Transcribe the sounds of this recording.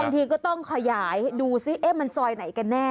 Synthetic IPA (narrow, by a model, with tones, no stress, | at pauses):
a˧ŋt̪ʰiː˧kɔː˥˩t̪ɔ˥˩ŋkʰa˧jaː˩˦jduː˧si˦˥˩ʔe˦˥˩ma˧nsɔː˧jna˩˦jka˧nːɛː˥˩